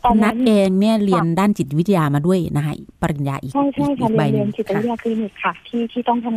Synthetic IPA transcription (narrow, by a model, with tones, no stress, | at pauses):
nna˦˥˧t̪ʔeː˧ŋniː˥˩li˧əndaː˥˩nt͡ɕi˨˩t̪̚wi˦˥t̪̚ʰjaː˧maː˧du˥˩əjna̰˦˥kʰa̰˦˥ʔpa˧ɾi˨˩nja̰ː˧ʔiː˨˩a˥˩jt͡ɕʰa˥˩˥jkʰa˧˩la˧ji˧ənt͡ɕi˨˩t̪̚wi˧˦t̪ʰjaː˧kʰli˧ni˨˩kʰːa˧˩t̪ʰiː˥˩t̪ʰiː˥˩t̪ɔ˥˩ŋtʰa˧